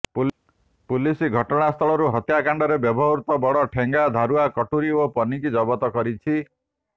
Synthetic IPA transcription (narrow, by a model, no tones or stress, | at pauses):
p | pulisiɡʱɔʈɔɽ̃ast̪ʰɔɭɔɾuɦɔt̪jakaɳɖɔɾebjɔbʱɔɦɾt̪ɔbɔɽɔʈʰeŋɡad̪ʱaɾuakɔʈuɾiopɔnikid͡ʒɔbɔt̪ɔkɔɾit͡ʃʰi